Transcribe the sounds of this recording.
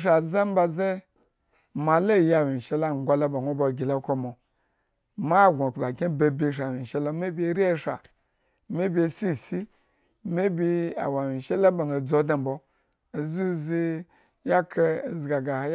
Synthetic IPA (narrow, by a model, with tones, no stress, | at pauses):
ʃa˨za˦m˦ba˧ze˦ | ma˨lo˦˨ja˨wi˨ʃe˧la˦˨ŋ˨ɡʷa˧lo˦ba˨ŋʷo˦bo˧˨ɡʲi˨lo˧˦ko˧mo˨ | ma˦˨ɡʷa˨kba˨ɡʲe˦be˧bʲi˧˨ʃ̬a˨wi˨ʃe˧lo˧me˦bʲe˧˦ɾi˦e˦ʃa̰˨ | me˦bʲe˧˨si˦˨si˦ | me˦bʲi˧a̰˨wa˨wi˨ʃe˦la˦ba˨ŋo˨d͡zo˦dã˨m̩˨bo˧˨ | zu˦zi˧ | ja˦kʰe˧˨zi˨ɡa˨ɡa˨˦